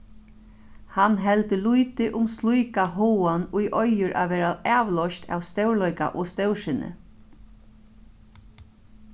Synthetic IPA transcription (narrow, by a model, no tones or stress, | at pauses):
hanɦɛlt̪əlujt̪ɪʔʊmst̪lujkaɦoːwanʊjʔɔjʏɾʔa̰ʋɛːɾaaːʋlɔʃt̪ʰa̰ːwst̪ɛwɹlɔjka̰ʔɔst̪ɛwʂɪnɪ̰